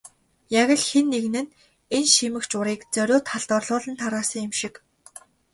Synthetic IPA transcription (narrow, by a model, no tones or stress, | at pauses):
jaɣʲə̆ɮxenːeɣnɘ̆n | enʃimɘ̆kt͡ɕʊɾiːkt͡sœɾʲʊːt̪χaɮt̪ɔrɮʊːɮə̆nt̪ʰaɾaːsə̆ŋɪmʃɪ̆k